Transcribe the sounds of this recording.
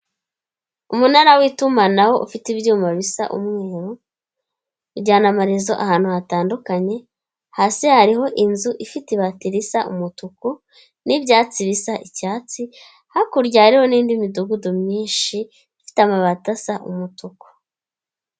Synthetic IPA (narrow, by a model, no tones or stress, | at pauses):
umunaɾawiːtumanaho̞ʔṵfitibjuːmaβisa̰ʔṵmŋe̞ːɾu | ɾɟaːnamaɾizo̞ʔahaːn̥huhataːndukaɲe̞ | hasehaɾiho̞ʔinzuʔifitiβatiɾisaʔṵmutuku | nibjaːt͡siβisaʔicaːt͡si | hakuɾɟahɾiho̞niːndimiduɡudomɲiːnʃi | ifi̥tamaβatasaʔṵmutuku̥